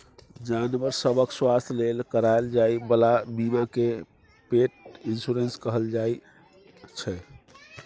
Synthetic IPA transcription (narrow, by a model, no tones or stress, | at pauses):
d͡ʒanʋəɾsəbəkswast̪ʰlelkəɾaeld͡ʒajbəlabibəke | peʈ̚insuɾenskəɦəld͡ʒaj | t͡ʃʰɛ